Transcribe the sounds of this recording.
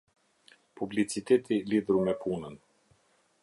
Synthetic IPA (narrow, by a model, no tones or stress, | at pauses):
publit͡sit̪ɛt̪ʰilid̪ɾumɛpʰunən